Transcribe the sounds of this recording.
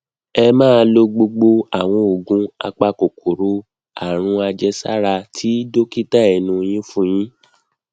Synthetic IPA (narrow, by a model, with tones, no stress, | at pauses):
ɛ˧mãː˦˧˦lo˧ɡ͡bo˧ɡ͡bo˧a˨w̃ɔ̃˧o˨ɡũ˧˦a̰˧k͡pa˧ko˨kʰo˨ɾo˧ | a̰˨ɾ̃ũ˧a˧d͡ʒɛ˧sa̰˦ɾa˧tʰi˨˦do˦ki˦ta˦ɛ˨nũ˧j̃ĩ˦fũ˦j̃ĩ˦